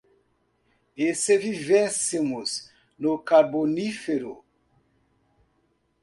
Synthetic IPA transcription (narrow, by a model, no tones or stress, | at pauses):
esevivɛsemʊz | nʊkaɾbonifeɾʊ